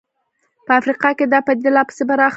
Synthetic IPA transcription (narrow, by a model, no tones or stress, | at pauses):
pəafɾiqɑked̪ɑpəɪt̪ɪlɑpə̥sebaɾɑx